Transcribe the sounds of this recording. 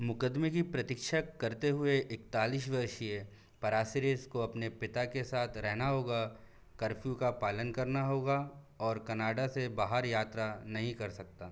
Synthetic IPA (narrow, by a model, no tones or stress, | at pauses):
mʊkəd̪mekipɾɐt̪ɪkʃəkɐɾt̪eɦʊeʔɪkt̪aːliːʃ̬ʋɐɾʃie | pɐɾaːsɪɾeːskoɐpnepɪt̪akesaːt̪ʰɾɛɦnaɦoːɡa | kɐɾfʰjukapaːlənkɐɾnaɦoːɡa | ɔːɾkɐnaːɖasebaːɦəɾjaːt̪ɾanɐɦĩkɐɾsɐk̚t̪aː